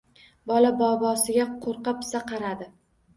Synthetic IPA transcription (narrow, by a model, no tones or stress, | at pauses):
bɒlabɒbɒsɪɡʲaqʰoɾqɑpɪ̥saqʰɑɾad̪ɪ